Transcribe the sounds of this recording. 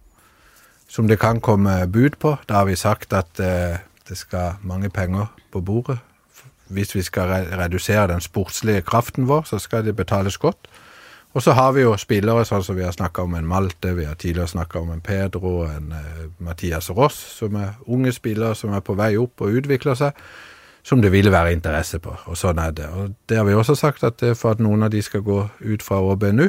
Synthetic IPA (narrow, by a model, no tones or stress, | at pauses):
sɔmd̪ɛkʰɑnkʰɔmːəbʉːd̪pʰɔd̪̥ɑhɑɾʋɪsɑkt̪ɑt̪d̪̥ɛskɑmɑŋːəpʰɛŋːəʁpʰɔbuːʁə | ʋɪsʋɪskɑɛɾɛd̪ʉseːɾəd̪ɛnspʊɾt̪slɪəkʰɾɑft̪nʋoːʁsɔskɑd̪ɛbət̪ʰɑːləsɡɔt̪ː | ɔsɔɦɑɾʋɪjʊspɪlːəɾəsɔnsɔmʋɪhɑɾsnɑkːɑɔmɛɪnmɑlt̪əʋɪhɑɾt̪ʰiːd̪lɪəʁəsnɑkːɑɔmɛnpʰeːd̪ɾʊɛnmɑt̪ʰiːɑsʁɔssɔmæʁʊŋːəspɪlːəɾəsɔmæɾpʰɔʋæɪʊpːɔʉːt̪ʋɪkləsæɪ | sɔmd̪ɛʋɪlːʋæːɾəɪnt̪əɾɛsːəpʰɔ̰ɔsɔnːæd̪ɛɔd̪̥ɛhɑɾʋɪɔsːɔsɑkt̪ɑt̪fɔɾɑt̪nuːənɑʋd̪ɪskɑɡoːʉːt̪fɾɑoːbeɛnʉ